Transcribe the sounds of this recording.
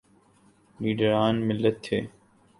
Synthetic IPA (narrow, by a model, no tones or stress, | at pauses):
liːɖəɾaːnmɪlːɐt̪ʰːeː